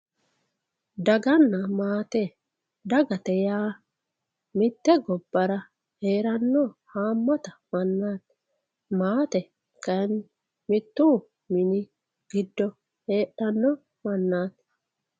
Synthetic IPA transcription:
d̪ɐɡɐnːɐmaːt̪ɛ | d̪ɐɡɐt̪ɛjaː | mɪt̪ːɛɡɔbːɐɾɐ | heːɾɐnːɔhaːmːɔt̪ɐmɐnːaːt̪ | maːt̪ɛ | kɐn | mɪt̪ːuː | mɪnɪ | ɡ̥ɪd̪ːɔ | heːɗɐnːɔ | mɐnːaːt̪

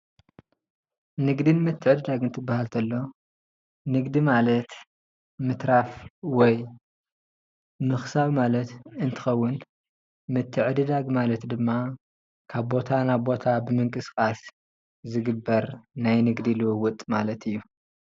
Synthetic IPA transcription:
nɨɡd̪ɨnmɨt̪ʰːɨʕɨd̪ɨd̪aɡɨnt̪ʰɨbːahalt̪ʰɐlːo̞ | nɨɡd̪imalɐt̪ | mɨt̪ɾafwɔj | mɨxsaβmalɐt̪ɨnt̪ʰɨ̥xɐwːʊn | mɨt̪ʰːɨʕɨd̪ɨd̪aɡmalɐt̪d̪ɨmːa | kʰaβbo̞t̪ʰanaβbo̞t̪ʰabɨmɨŋkʼɨskʼas | zɨɡɨbːɐɾnajnɨɡd̪ilɨwɨwʊt̪ʼmalɐt̪ʰɨjːu

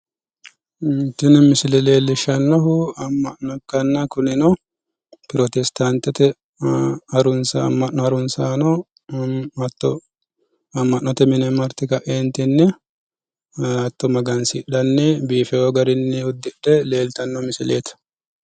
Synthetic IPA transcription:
nt̪ːɪnmɪsɪlɛle̞ːlːɪʃɐnːɔɦʊɐmːɐʔnɔkːɐnːɐkʊnɪnɔ | pɪɾɔt̪ɛst̪ant̪ɛt̪ɛ | ɐɾʊnsamːɐʔɔɐɾʊnsaːnɔ | t̪ːɔ | ɐmːɐʔnːɔt̪ɛmɪnɛmɐɾt̪ːɪkɐʔeːnt̪ɪnːɛ | ɐt̪ːɔmɐɡɐnsɪɗɐnːɛbiːfɛjoɡɐɾɪnːɪʊd̪ːɪᶑɛle̞ːlt̪ɐnːɔmɪsɪleːt̪ɐ̥

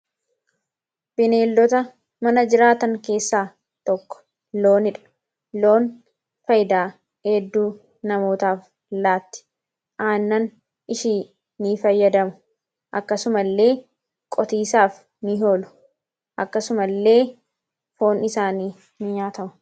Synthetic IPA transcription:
b̥ɪne̞ːlːɔt̪ɐ | mɐnɐd͡ʒɪɾaːt̪ɐŋke̞ːsːaː | t̪ɔkːɔ̥ | lo̞ːnɪᶑɐ̥ | lo̞ːn | fɐjd̪aː | hɛd̪ːuː | nɐmo̞ːt̪aːf | laːt̪ːɪ̥ | ʔaːnːɐn | ʔɪʃiː | nifɐjːɐd̪ɐmʊ̥ | ʔɐkːɐsʊmɐlːe̞ː | kʼɔt̪iːsaːf | nɪɦo̞ːlʊ̥ | ʔɐkːɐsʊmɐlːe̞ː | fo̞ːnɪsaːniː | nɪɲaːt̪ɐmʊ̥

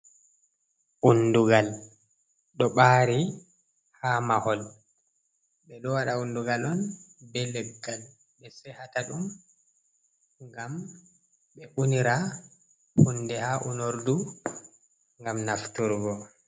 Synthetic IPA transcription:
ʔunduɡal | ɗɔɓaːɾi | hamahɔl | ɓɛɗɔwaɗaunduɡalɔnbɛlɛɡːal | ɓɛsɛhataɗum | ŋɡam | ɓɛʔuniɾa | hundɛhaʔunoɾdu | ŋɡamnaftuɾɡɔ

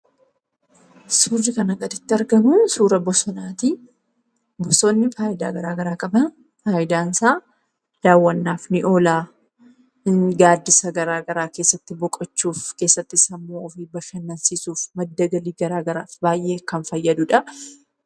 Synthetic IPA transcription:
suːɾːɪkɐnɐɡʼɐt̪ɪt̪ːɪɐɾɡɐmusuːɾɐbɔsɔnaːt̪i | bɔsonːɪfaːʔɪd̪a̰ːɡɐɾaːɡɐɾaːkʼɐbɐ | faːjɪd̪aːnsaː | d̪̥aːwːɐnːaːfnɪʔoːlaː | ɡaːd̪ːɪsɐɡɐɾaːɡɐɾaːke̞ːsːɐt̪ːɪbɔkʼɐt͡ʃːuːfke̞ːsːɐt̪ːɪsɐmːoːɔfiːbɐʃɐnːɐnsiːsuːfmɐd̪ːɐɡɐliːɡɐɾaːɡɐɾaːfbaːjʔe̞ːkɐnfɐjːɐd̪ʊᶑɐ

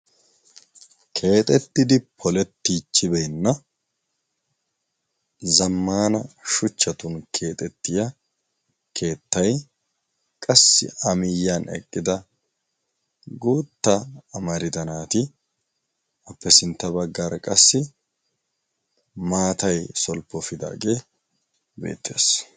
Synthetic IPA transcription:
kʰe̞ːt̪ʼɛt̪ːɪd̪ɪpʰɔlɛt̪ːiːt͡ʃːɪbɛjnːɐ | zɐmːaːnɐʃʊt͡ʃːɐt̪ʊnkʰe̞ːt̪ʼɛt̪ːɪjɐ | kʰe̞ːt̪ːɐj | kʼɐsːɪ̰ɐmɪjːanɛ̰kʼːɪd̪ɐ | ɡuːt̪ːɐːmɐɾɪd̪ɐnaːt̪ɪ | ɐpːɛsɪnt̪ːɐbɐɡːaɾkʼɐsːɪ | maːt̪ɐjsɔlpːɔfɪd̪a̰ːɡe̞ː | bḛːt̪ːeːs

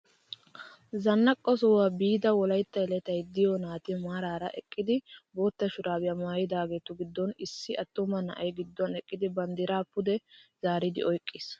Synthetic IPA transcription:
zɐnːɐkʼːɔsɔwabiːd̪ɐwɔlɐjt̪ːɐjlɛt̪ɐjd̪ɪjɔnaːt̪ɪmaːɾaːɾɐʔɛkʼːɪd̪ɪboːt̪ːɐʃʊɾaːwɪjɐmaːjɪd̪aːɡe̞ːt̪ʊɡɪd̪ːɔnɪsːɪʔɐt̪ːʊmɐnɐ̰ʔɐjɡɪd̪ːɔnɛkʼːɪd̪ɪbɐnd̪ɪɾaːpːʊd̪ɛz̥aːɾɪd̪ɪ̰ɔjkʼːɪs

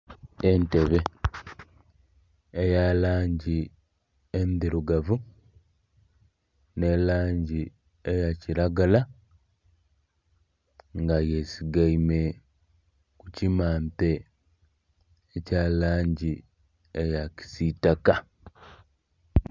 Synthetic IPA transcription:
ente̞βe̞ | ejalaːɲɟi | emidiɾuɡavu | ne̞laːɲɟi | ejaciɾaɡala | ŋɡajesiɡaime | kucimaːmte̞ | caːlaːɲɟi | ejaci̥sitaka

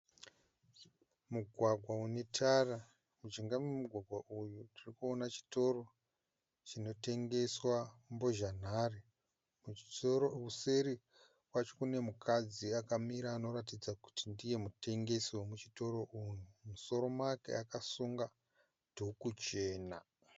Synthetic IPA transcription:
muɡʱwaɡʱwaune̞tʰara | mud͡ʒiŋɡamemuɡʱwaɡʱwaʔujutirikuonat͡ʃi̥to̞ro̞ | t͡ʃino̞te̞ŋɡe̞swambo̞ʒan̤are | βuse̞ɾi | wat͡ʃo̥kune̞mukʰad͡ziakamiɾaːno̞ɾat̬id͡zaku̥tindije̞mute̞ŋɡe̞siwomut͡ʃito̞ɾo̞ʔunumuso̞ɾo̞makḛakasuŋɡa | dʱukut͡ʃe̞ːna

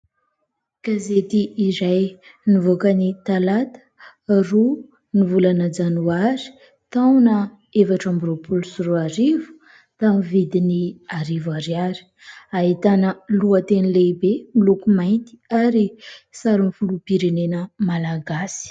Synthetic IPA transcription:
ɡ̥azet̪iːɾaj | nivokənit̪alat̪ə̥ | ru | nivulanəd͡zanuaɾi̥ | t̪awnə | efaʈ͡ʂamburupʰulusuɾuaɾivu̥ | t̪amivid̪iniaɾivaɾiaɾi̥ | aɦit̪anəluət̪enileibemilukumajnt̪i̥aɾisaɾimifulupiɾenenəmalaɡasi̥

